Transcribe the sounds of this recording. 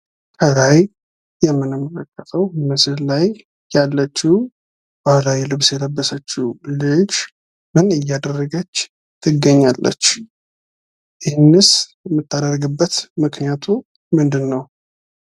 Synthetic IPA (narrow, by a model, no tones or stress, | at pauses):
k̪ʰəlaj | jɛmːɨnamələkʼːət̪ʼʰəwmɨsɨllaj | jalːət͡ʃːi | balajilɨβsjɛləbːəsət͡ʃːulɨd͡ʒ | mɨnɨjːad̪ərːəɡət͡ʃː | t̪ʰɨɡːəɲːalːə̰t͡ʃː | jɪhɪnːɨsjɛmːɨt̪ːad̪ərɡɨbːət̪mɨknijat̪ʰu | mɨnd̪ɨnːəw